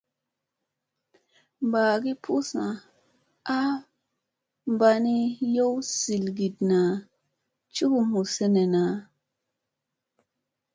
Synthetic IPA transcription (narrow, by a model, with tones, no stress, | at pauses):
mba˨ɡi˦pʰu˦sa˨ | a˦ | mba˧ni˦jo˦wsi˨lɡi˨dna˨ | t͡ʃu˦ɡu˦mu˨se˦ne˨na˨